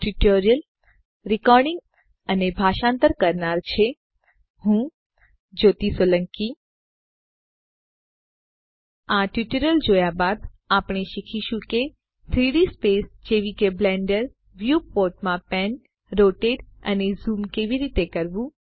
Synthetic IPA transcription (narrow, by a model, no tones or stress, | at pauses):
ʈuʈoɾijəl | ɾikɔɾɖɪ̃ŋɡ | ənebʱaʃãnt̪əɾkəɾnaɾt͡ʃʰe | ɦũ | d͡ʒot̪isələŋki | aʈjuʈəɾəld͡ʒojabad̪ | apɽ̃eʃikʰiʃũke | t̪ʰɾiɽispesd͡ʒeʋikeblɛ̃ɳɖəɾ | ʋjupoɾʈmãpɛn | ɾoʈeɖə̰nezumkeʋiɾit̪ekəɾʋũ